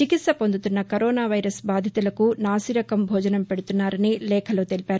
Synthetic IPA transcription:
t͡ʃikit̪sɐpo̞nd̪ut̪unːɐkɐɾɔːnaːʋɐjɾɐsbaːd̪ʱjɐt̪ulɐkunaːsiɾɐkɐmbʱɔːd͡ʒɐnɐmpeɽut̪unːaːɾɐnilɛːkʰɐloːt̪elipaːɾu

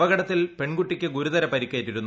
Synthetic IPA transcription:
ʋɐɡɐɽɐt̪ːilpe̞ɳɡuʈːikʲːɨɡuɾuðɐɾɐpɐɾikʲːeːtːiɾunː

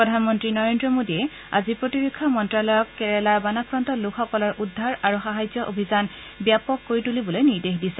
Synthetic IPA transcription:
pɹɔdʱanmɔntɹinɔɹendɹɔmodiɛ | a̰zipɹotiɹekʰːɔmɔntɹalɔjɔkːɛɹɛlaɹbanakɹɔntɔlukʰɔkɔlaɹʔudʱːaɹaɹuxaɦajzɔʔobʱizan | bijapɔkːoɹitulibɔlojniɹdexdisɛ

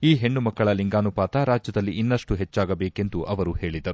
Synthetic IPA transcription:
iːɦe̞ɳːumɐkːɐɭɐliŋɡaːnupaːt̪ɐɾaːd͡ʒjɐd̪ɐlːiʔinːɐʂʈuɦet͡ʃːaːɡɐbeːke̞nd̪uʔɐʋɐɾuhe̞ːɭid̪ɐɾu

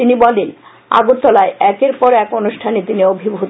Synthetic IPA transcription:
t̪inibɔlen | a̰ɡoɾt̪ːɔlaeɛkeɾpɔɾɛkonuʃʈʰanet̪iniobʱibʱu

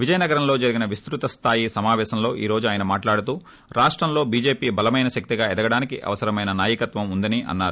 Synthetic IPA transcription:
ʋid͡ʒɐjɐnɐɡɐɾɐmlo̞ːd͡ʒɐɾiɡinɐʋist̪ɾut̪ɐst̪ʰaːjisɐmaːʋɛːʃɐmlo̞ːʔḭːɾo̞ːd͡ʒuaːjɐnɐmaːʈlaːɽut̪uː | ɾaːʂʈɾɐmlo̞ːbiːd͡ʒe̞ːpiːbɐlɐmɐjnɐʃɐk̚t̪iɡaːɛd̪ɐɡɐɽaːnikiʔɐ̰ʋɐsɐɾɐmɐjnɐnaːjɐkɐt̪ʋɐmund̪ɐniʔɐ̰nːaːɾu

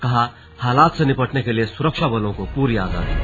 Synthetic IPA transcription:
kɐɦa | haːlaːt̪senɪpəʈnekeliesʊɾəkʃabɐlõkopuːɾiaːɡa̰ːd̪i

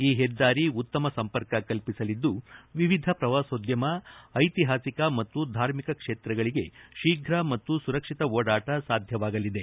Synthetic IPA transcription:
iːɦɛd̪ːaːɾiut̪ːɐmɐsɐmpɐɾkɐkɐlpisɐlid̪ːuʋiʋid̪ʱɐpɾɐʋaːsoːd̪jɐmɐɐjt̪iɦaːsikɐmɐt̪ːud̪ʱaːɾmikɐkʂeːt̪ɾɐɡɐɭiɡe̞ʃiːɡʱɾɐmɐt̪ːusuɾɐkʂit̪ɐoːɽaːʈɐsaːd̪ʱjɐʋaːɡɐlid̪e̞

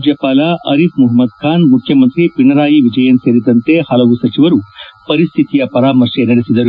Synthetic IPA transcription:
d͡ʒjɐpaːlaʔɐɾifmuɦɐmɐd̪kʰaːnmukʰːjɐmənt̪ɾiːpiɳɐɾaːjiʋid͡ʒɐjɐnseɾit̪ɐnt̪ehalɐɡusɐt͡ʃiʋɐɾuːpɐɾist̪ʰit̪ijɐpɐɾaːmɐɾʂeɾɐɾɐsid̪ɐɾ

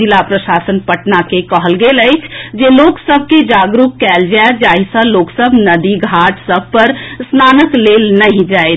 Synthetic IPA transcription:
ɪlapɾəʃaːsənpəʈnakekəɦəlɡeləɪt͡ʃʰd͡ʒeloːksəbʱked͡ʒaːɡɾukkɛːld͡ʒaed͡ʒaːɦisəloːksəbʱnəd̪iɡʱaːʈʰsəb̚ʱpəɾsnaːnəkleːlnəɦĩd͡ʒaːe

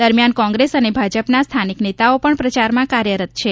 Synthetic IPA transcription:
d̪əɾmijankɔ̃ŋɡɾesənebʱad͡ʒəpnast̪ʰaniknet̪aopəɳpɾət͡ʃaɾmãkaɾjəɾət̪̚t͡ʃʰe

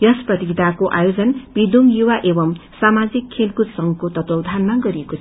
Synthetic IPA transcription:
jʌsprʌt̪iɡit̪akoʔajod͡zʌnbid̪umjuwaʔebʌmsamad͡zikʰːelkut̪sʌŋɡʌkot̪ʌt̪owd̪ʱanmaɡʌɾiekot͡sʰ

